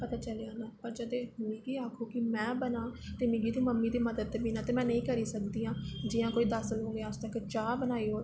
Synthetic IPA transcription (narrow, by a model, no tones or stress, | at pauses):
pət̪aːt͡ʃəleaːnãːpəɾd͡ʒəd̪eːmɪ̃ːɡiːaːkʰoːkɪmɛ̃ːbənaːt̪eːmɪ̃ːɡiːt̪ũːməmːiːd̪iːməd̪əd̪biːnãːt̪eːmɛ̃ːnəĩːkəɾiːsəkd̪iːɦãːd͡ʒɪːjãːkoːiːd̪əsəlɦoːɡeaːst̪əkt͡ʃaːbənaːiːɦoːɾ